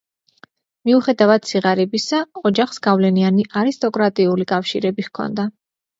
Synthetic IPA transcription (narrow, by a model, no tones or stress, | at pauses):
miuχɛd̪avad̪̥̚sʰiʁaɾɛbisaɔd͡ʒaχsɡavlɛnianiʔaɾist̪ʼɔkʼɾat̪ʼiulikʼafʃḭɾɛbiχkʰɔ̰nd̪a